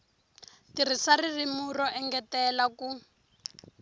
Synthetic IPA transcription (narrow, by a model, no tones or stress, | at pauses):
tirisaririmurɔʔɛŋɡɛtɛlaku